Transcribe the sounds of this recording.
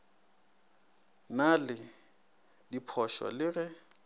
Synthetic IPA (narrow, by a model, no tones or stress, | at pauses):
nalɪ | dipʰɔʃwa̰lɪrɛ